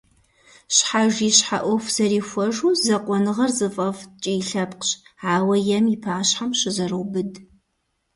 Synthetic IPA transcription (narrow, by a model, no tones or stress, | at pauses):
ɕħaʒiɕħa̰ʔʷɔfz̥ɐɾiːxʷɔʒuːzɐqʷʼɔnɨʁɐrzɨfʼɐft͡ʃʼijɬɐpqɕaːwɐjɛmipʰaːɕħamʃɪzɐrɨwbɨd